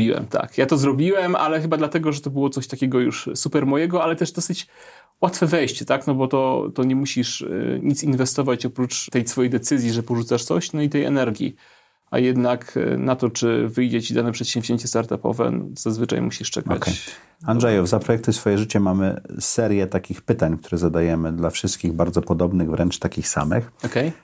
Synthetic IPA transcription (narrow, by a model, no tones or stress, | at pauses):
iwɛ̰mt̪a̰kjat̪ɔzɾɔbʲiwɛmʔa̰lɛxɘbad̪lat̪ɛɡɔʐɛt̪ɔbɘwɔt̪sɔɕt̪akʲɛɡɔjṵʂsupɛɾmɔjɛɡɔalɛt̪ɛʐd̪ɔsɘt͡ɕ | wat̪fɛvɛjɕt͡ɕt̪aknɔbɔt̪ɔt̪ɔɲɛmuɕiʂɲit̪sinvɛst̪ɔvat͡ɕɔpɾut͡ʂt̪ɛjsfɔjɛjd̪ɛt̪sɘzʲjiʐɛpɔʐut̪saʂt̪sɔ̰ɕnɔit̪ɛjɛ̰nɛɾɡʲḭ | a̰jɛd̪naknat̪ɔt͡ʂɘvɘjd͡ʑɛt͡ɕid̪anɛpʂɛt̪ɕɛmvʑemʲt͡ɕɛst̪aɾt̪apɔ̰vɛ̰nɔ̰z̥azvɘt͡ʂa̰jmuɕiʂt͡ʂɛ̰kaa̰kt͡ɕɛj | anʐɛjɔvzapɾɔjɛk̚t̪ʊsfɔjɛʐɘt͡ɕɛmamɘ̰sɛɾʲjɛt̪akʲixpɘt̪aɲk̚t̪uɾɛzad̪ajɛmɘd̪lafʂɘst̪̚kʲiɣbaɾd̪zɔpɔd̪ɔbnɘɣvɾʔɛnt͡ʂt̪akʲixsa̰mɘ̰xɔkɛj